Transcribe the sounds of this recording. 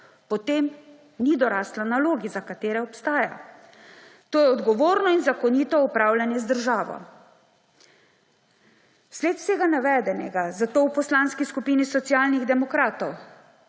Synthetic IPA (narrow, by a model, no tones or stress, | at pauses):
pɔt̪em | nid̪ɔɾaːslanaloːɡizakat̪eːɾɛɔpst̪aːja̰ | t̪oːjɛɔd̪ɡɔʋoːɾnɔinzakɔniːt̪ɔupɾaːwljanjɛzd̪əɾʒaːʋɔ̰ | sleːt̪seːɡanaʋɛːd̪ɛnɛɡazat̪oːwpɔslanskiskupiːnisɔt̪siaːlniɣd̪ɛmɔkɾaːt̪ɔw